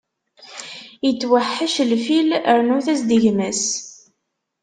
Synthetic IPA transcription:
jət͡sːwaħːaʃlfiləɾnuθæsd̪iʝmæs

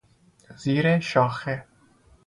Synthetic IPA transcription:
z̥iːɾɛʃɑːxɛ

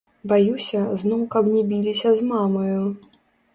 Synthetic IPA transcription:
bajusʲɐznɔwkɐbnʲɛbʲilʲisʲɐzmamɐju

